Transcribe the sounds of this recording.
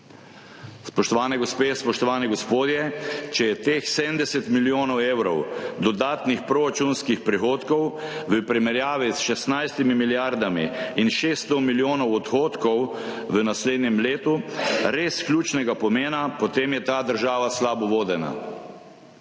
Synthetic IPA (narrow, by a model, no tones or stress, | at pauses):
spɔʃt̪ɔʋaːnɛɡɔspeːspɔʃt̪ɔʋaːniɡɔspoːd̪jɛt͡ʃɛjɛt̪eːxsɛmd̪ɛsɛt̪miljoːnɔweːwɾɔwd̪ɔd̪aːt̪nixpɾɔɾat͡ʃunskixpɾixoːt̪kɔwʋəpɾimɛɾjaːʋisʃɛst̪najst̪imimiljaɾd̪amḭːnʃeːst̪ɔmiljoːnɔwɔt̪xoːt̪kɔw | ʋənasleːd̪nʲjɛmleːt̪uɾesklʲjuːt͡ʃnɛɡapɔmeːnapɔt̪eːmjɛt̪aːd̪əɾʒaːʋaslaːbɔʋoːd̪ɛna̰